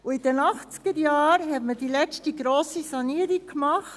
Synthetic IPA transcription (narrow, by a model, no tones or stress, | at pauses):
uɪd̥ɛnɑχt͡sɡ̥əɾjɑːɾɦɛtməd̥ilɛt͡stiɡɾoːsisɑniːəɾikmɑχt